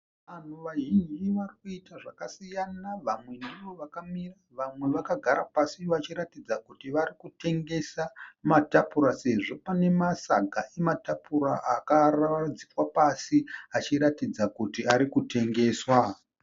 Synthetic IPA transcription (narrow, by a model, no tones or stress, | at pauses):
ʋan̤uʋaɦiɲʋarikuitaʐakasijanaʋamwe̞neʋo̞ʋakamiraʋamwe̞ʋakaɡʱaɾapasiʋat͡ʃiɾatid͡zakutiʋaɾikute̞ŋɡe̞samatapuɾase̞ʐo̞pane̞masa̰ɡʱaʔe̞matapuɾaʔakaraad͡zikwapasiat͡ʃiɾatid͡zakutiaɾikute̞ŋɡe̞ːswa